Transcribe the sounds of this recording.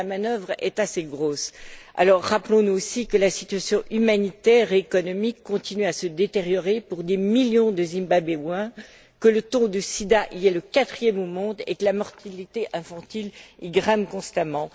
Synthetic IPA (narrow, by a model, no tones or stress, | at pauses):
amanœvʁɛ̰t̪aseɡʁosa̰lɔʁːaplɔ̃nuosikəlasit̪ɥasjɔ̃ʔymanit̪ɛːʁeːkɔnɔmikːɔ̃t̪inyasəd̪et̪eʁjɔʁepuʁd̪emiljɔ̃d̪əzimbabewɛ̃ | kələt̪ɔ̃d̪əsid̪aʔiɛləkat̪χjɛmomɔ̃d̪ḛkəlamɔʁt̪ʰalit̪eʔɛ̃fɑ̃t̪iliɡʁɛ̃mkɔ̃st̪amɑ̃